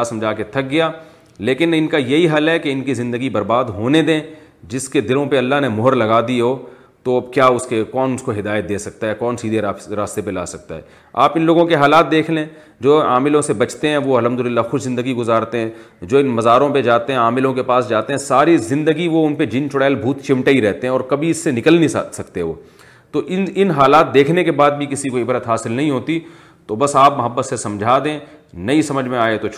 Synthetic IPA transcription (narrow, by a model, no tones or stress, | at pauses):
asɐmd͡ʒʱaːket̪ʰɐk̚ɡɐjaː | leːkɪnɪnkajɐɦiɦɐlɦɛkeɪnkizɪ̃nd̪əɡibɐɾbaːd̪ɦoːned̪ẽːd͡ʒɪsked̪ɪlõpeɐlːaɦnemʊɦəɾlɐɡaːd̪iɦoː | t̪oɐbkjaːʊskekɔːnʊskoɦɪd̪aːjət̪̚d̪eːsɐk̚t̪aɦɛkɔːnsiːd̪ʱeɾaːst̪epela̰ːsɐk̚t̪a̰ɦɛ̰ː | a̰ːpɪnloːɡõkeɦaːlaːt̪̚d̪eːkʰlẽː | d͡ʒoːaːmɪlõsebɐt͡ʃt̪eɦɛ̃ʋoɐlɦəmd̪ʊlɪlːaxʊʃzɪ̃nd̪əɡiɡʊzaːɾt̪eɦɛ̃ | d͡ʒoːɪnmɐzaːɾõped͡ʒaːt̪eɦɛ̃aːmɪlõkepaːsd͡ʒaːt̪eɦɛ̃saːɾizɪ̃nd̪əɡiʋoʊnped͡ʒɪ̃nt͡ʃʊɽaːlbʱuːt̪t͡ʃɪ̃mʈaiɾɛɦt̪eɦɛ̃ɔːɾkɐbʱiɪsːenɪkəlnĩsɐkt̪eʋo̰ː | t̪oʔɪɪnɦaːlaːt̪̚d̪eːkʰnekebaːd̪bʱikɪsikoɪbɾət̪ɦaːsɪlnɐɦĩɦoːt̪i | t̪obɐsaːpmɐɦəbːət̪sesɐ̃md͡ʒʱaːd̪ẽː | nɐisɐməd͡ʒʱmẽaːet̪o